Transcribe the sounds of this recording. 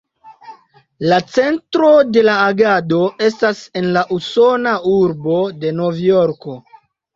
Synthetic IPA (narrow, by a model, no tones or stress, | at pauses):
lat͡se̞ntɾo̞de̞laːɡado̞e̞s̬tase̞nlaʔuso̞nauɾbo̞de̞no̞vjo̞ɾko̞